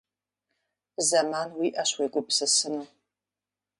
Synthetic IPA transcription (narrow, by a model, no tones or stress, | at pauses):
zɐmaːnwiʔɐɕweɡʷʼʊpsɨsɨmɨ